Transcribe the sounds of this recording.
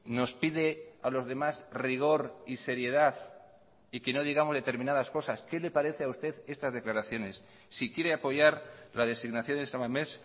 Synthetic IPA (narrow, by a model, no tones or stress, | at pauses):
no̞spið̞e̞alo̞zðe̞mazriɣ̞o̞ɾise̞ɾje̞ðaθ | ike̞no̞ðiɣamo̞zðet̪e̞ɾmĩnaðasko̞saske̞le̞paɾe̞θeaust̪e̞ðe̞st̪azðe̞klaɾaθjo̞ne̞sː | ikje̞ɾe̞apo̞ʝaɾlaðe̞siɣnaθjo̞nd̪esamames